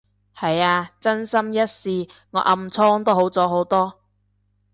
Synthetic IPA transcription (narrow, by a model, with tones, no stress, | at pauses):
hɐ˨jaː˧t͡sɐ˥nsɐ˥mjɐ˥t̚siː˨˧ | ŋɔː˨˧ʔɐ˧mt͡sʰɔː˥ŋt̪o˥ɦo˨˥wt͡sɔː˨˥ɦo˨˥wt̪ɔː˥